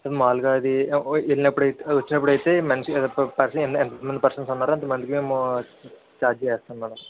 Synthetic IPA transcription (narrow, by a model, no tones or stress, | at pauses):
sed̪maːluɡaːɐd̪iilinɐpːuɽɐjt̪ʋɐt͡ʃːinɐpːuɽɐjit̪e̞ːmɐnʂiɐpɐɾsɐenɛnt̪ɐmɐnd̪ipɐɾsɐnsunːaːɾɐnt̪̬ɐmɐnd̪ikime̞ːmu | t͡ʃaːɾd͡ʒt͡ʃɛːst̪aːnmɐnɐ